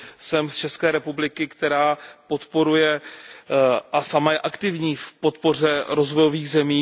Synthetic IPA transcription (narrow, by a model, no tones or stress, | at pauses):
sɛmst͡ʃɛskɛːɾɛpublɪkɪkt̪ɛɾaːpo̞t̪po̞ɾujɛ | ʔasamajɛʔakt̪ɪvɲiːfpo̞t̪po̞r̝ɛɾo̞zvo̞jo̞viːɣzɛmiː